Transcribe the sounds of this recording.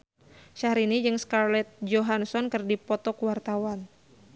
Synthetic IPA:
ʃahɾinid͡ʒɨŋskarlɛt̪̚d͡ʒoɦansɔnkɨrdipɔt̪ɔkəwart̪awan

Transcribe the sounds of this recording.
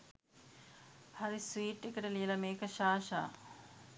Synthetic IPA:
haɾisʋiːʈːekəʈəlijəlɐmeːkəʃaːʃa̰ː

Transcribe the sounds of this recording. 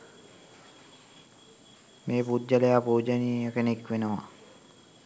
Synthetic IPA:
meːpudd͡ʒalejapoːd͡ʒanikenekʋenəʋa

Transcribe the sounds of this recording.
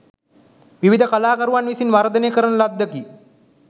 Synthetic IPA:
ʋiʋid̪əkalaːkəɾuʋanʋisinʋaɾd̪əneːkəɾənəlad̪ːəki

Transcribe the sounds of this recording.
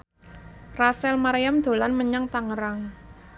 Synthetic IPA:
rasɛlmaɾejamd̪̥o̤lanməɲaŋt̪aŋəɾaŋ

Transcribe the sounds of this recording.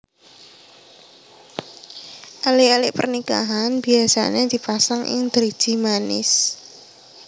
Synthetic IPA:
ʔalɪʔalɪʔpə̰rnika̰ɦanbiasa̰ned̪̥i̤pasaŋʔɪ̰ŋd̪əɾ̥ʒ̥i̤manɪ̰s

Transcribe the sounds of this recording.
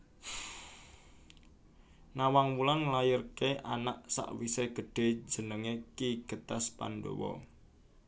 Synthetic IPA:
nawaŋmulanŋlajɪrkeʔanaʔsa̰ʔwiseɡ̥əɖ̥e̤̥d͡ʒə̤nəŋekiɡ̥ə̤t̪aspa̰ndo̰wɔ̰

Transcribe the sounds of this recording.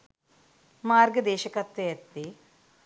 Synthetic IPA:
maːɾɡɐd̪ɛːʃɐkɐt̪ʋɐjɐt̪ːi

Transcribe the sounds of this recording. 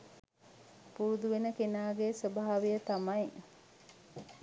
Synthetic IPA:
puɾud̪uʋenəkenaːɡesobaɦaʋijət̪amɐj

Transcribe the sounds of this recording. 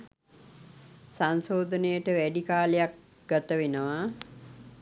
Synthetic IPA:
sansoːd̪ənəjəʈəʋæɖikaːlejak̚ | ɡ̥at̪əʋenəʋa

